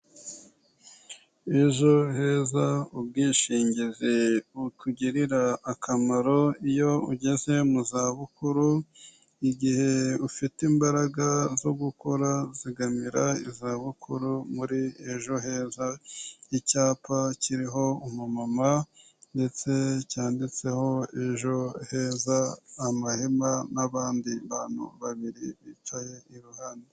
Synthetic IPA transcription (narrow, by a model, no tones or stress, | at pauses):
e̞ʒo̞he̞ːzaub̚ɡiːʃiːɲɟizeutuɟiɾiɾaːkʰamaɾo̞ijo̞uɟe̞ze̞muzaβukuɾu | iɟihe̞ufitimbaɾaɡazo̞ɡukoɾaziɡamiɾaizaβukʰuɾumuɾieʒo̞ɦe̞ːzaicaːpaciɾiɦo̞umumama | nde̞t͡se̞caːndit͡se̞ho̞eʒo̞he̞ːzaːmahemanaβaːndiβaːnhṵβaβiɾḭβiːt͡ʃaje̞iɾuhaːnde